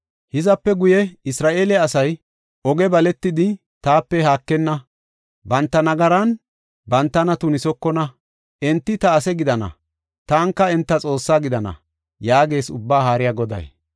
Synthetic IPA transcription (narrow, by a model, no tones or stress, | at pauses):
hɪzɐpːɛɡʊjɛɪsɾaːʔeːlɛɐsɐj | ɔɡɛbɐlɛt̪ːɪd̪ɪ | t̪aːpːɛhaːkːɛnːɐ | bɐnt̪ːɐnɐɡɐɾɐn | bɐnt̪ːɐnɐt̪ʊnɪsɔkːɔnɐ | ɛnt̪ːɪt̪ɐːsɛɡɪd̪ɐnɐ̰ | t̪aːŋkːɐɛnt̪ːɐt͡sʼo̞ːsːaːɡɪd̪ɐnɐ̰ | jaːɡe̞ːsʊbːaːɦaːɾɪjaɡɔd̪ɐ̰j